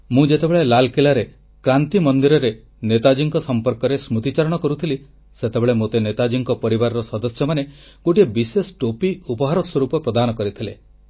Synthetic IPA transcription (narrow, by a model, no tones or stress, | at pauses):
mũd͡ʒet̪ebeɭelalkilaɾe | kɾant̪imɔnd̪iɾɔɾe | net̪ad͡ʒiŋkɔsɔmpɔɾkɔɾesmut̪it͡ʃaɾɔɽ̃ɔkɔɾut̪ʰili | set̪ebeɭemot̪enet̪ad͡ʒiŋkɔpɔɾibaɾɔɾɔsɔd̪ɔsjɔmane | ɡ̥oʈiebisesʈopiupɔɦaɾɔswɔɾupɔpɾɔd̪anɔkɔɾit̪ʰile